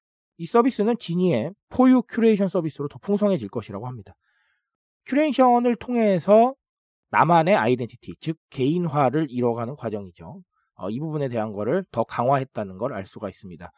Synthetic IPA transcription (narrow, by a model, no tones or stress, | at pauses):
is͈ʌbis͈ɯnɯnt͡ɕiɲie̞pʰojukʰuɾe̞iɕʰʌns͈ʌbis͈ʰɯɾotʌpʰuŋsʰʌŋɦe̞d͡ʑiɭk͈ʌɕʰiɾaɡoɦamɲida | kʰjuɾe̞iɕʰʌnɯɭtʰoŋɦe̞sʰʌ | namane̞aide̞ntʰi̥tʰit͡ɕɯk̚k͈ːe̞inɦwaɾɯɾiɾʌɡanɯnkwad͡ʑʌŋid͡ʑo | ʌ̰ibubune̞te̞ɦanɡʌɾɯɭtʌkaŋɦwaɦe̞t̚t͈anɯnɡʌɾa̰ɭs͈uɡais͈ɯmɲida